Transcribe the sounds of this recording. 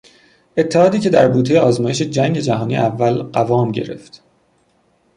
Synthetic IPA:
e̞t̪ʰːehɒːd̪iːce̞d̪æɾbuːt̪ʰejeɒːzmɒːjeʃe̞d͡ʒæŋɟe̞d͡ʒæɦɒːniːʔævːælɢævɒːmɟḛɾe̞̰ft̪

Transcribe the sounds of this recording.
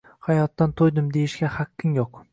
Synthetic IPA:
hajɒt̪ːant̪ʰojd̪ɪmd̪e̞jɪʃɡʲahakʲʰːɪŋjoq

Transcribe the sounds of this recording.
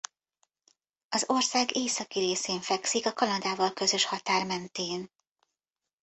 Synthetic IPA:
ɒzo̞rsaːɡeːsɒkiɾeːseːɱfɛksikɒkɒnɒd̪aːvɒlkø̞zø̞ʃhɒt̪aːrmɛnt̪eːn

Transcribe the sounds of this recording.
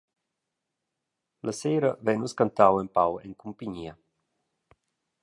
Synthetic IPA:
lʔaseːɾəvɛnuskant̪awɛmpawɛŋkumpiɲiə

